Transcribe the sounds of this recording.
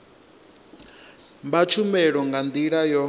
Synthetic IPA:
mbat͡ʃʰumɛɺɔŋɡand̪iɺajɔ

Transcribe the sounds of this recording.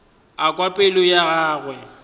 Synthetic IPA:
akʼwapʼɪlʊjaɣaːɣwɛ

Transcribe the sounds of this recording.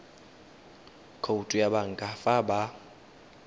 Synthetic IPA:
kʰoutʼujaɓaŋkʼafaba

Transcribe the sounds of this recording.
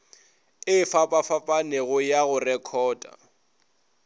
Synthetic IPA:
ɪfapʼafapʼaneɣʊjaɣʊrɛkʰɔːdʼa̰

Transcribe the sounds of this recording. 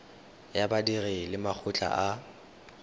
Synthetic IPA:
jabadirɪlɪmak͡xʰʊt͡ɬʼa̰ʔa

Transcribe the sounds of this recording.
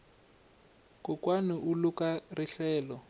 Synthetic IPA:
kʊkwanɪʔulukariɬɛːlɔ

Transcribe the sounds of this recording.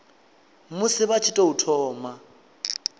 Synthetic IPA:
mʊsɪβat͡ʃʰɪtʼɔutʰɔːma

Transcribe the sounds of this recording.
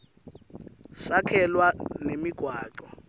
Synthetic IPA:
sakʰɛlwanemiɡ̥ʱwaːǃɔ

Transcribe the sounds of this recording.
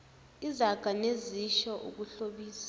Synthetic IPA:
izaɡ̥ʱaneziʃɔʔṵk̬uɬoɓiːsḁ

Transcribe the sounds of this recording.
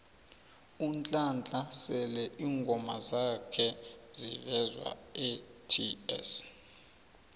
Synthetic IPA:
unt͡ɬʼant͡ɬʼasɛlɛʔiːŋɡʱɔmazakʰɛzḭvɛzwa̰ɛtʰiɛ̰s

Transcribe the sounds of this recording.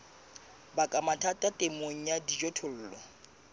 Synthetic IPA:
bakʼamatʰatʼatʼemoŋ̩jadid͡ʒɔtʰʊl̩ːlɔ

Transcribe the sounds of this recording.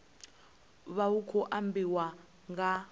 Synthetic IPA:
βaukʰɔʔambiwa | ŋɡa

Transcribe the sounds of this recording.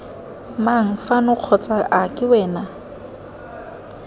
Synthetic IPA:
maŋ̩fanʊq͡χʰɔt͡sʼaʔakʼɪwɛːna

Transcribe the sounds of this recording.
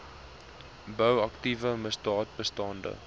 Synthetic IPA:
bəwɐktivəməsdɑːt̚bəstɑndə̰

